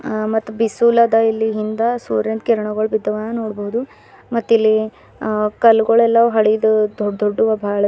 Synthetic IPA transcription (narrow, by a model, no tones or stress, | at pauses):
mɐt̪ːubisuːlɐd̪ɐilːiɦind̪ɐsuːɾjend̪̚keɾɐɳɐɡɐɭubid̪ːɐʋɐnːɐnoːɽbɐɦud̪u | mɐt̪ːilːi | kɐluɡɐɭɛlːɐʋuɦɐɽid̪ud̪od̪ʱoɖːuʋɐbʱaːɭɐ